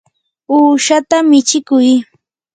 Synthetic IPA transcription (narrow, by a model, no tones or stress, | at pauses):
uːʃat̪amɪt͡ʃɪkʊj